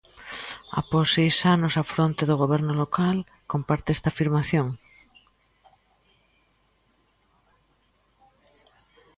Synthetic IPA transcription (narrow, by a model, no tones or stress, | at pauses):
a̰posːejsanosafɾont̪eðoɣ̞oβɛɾnolokal | kompaɾt̪eɛst̪aːfiɾmaθjõŋ